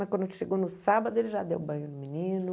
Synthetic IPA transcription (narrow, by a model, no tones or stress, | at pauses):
ɐkwɐ̃d̪ʃeɡownʊsabɐd̪ʊelɪʒad̪ewbɐ̃j̃ʊnʊminĩnʊ